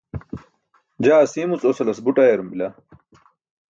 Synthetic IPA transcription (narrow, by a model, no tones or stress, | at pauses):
d͡ʑaːɐsiːmut͡sosɐlɐsbuʈajeɾumbila